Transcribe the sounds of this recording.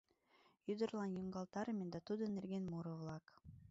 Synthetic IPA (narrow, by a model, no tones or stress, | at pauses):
jyd̪ə̆rlˠɑnjuŋɡɑlˠt̪ɑɾɤmʲend̪ɑt̪ud̪ɤ̆nːerɡʲenmuɾɤ̆vlˠɑk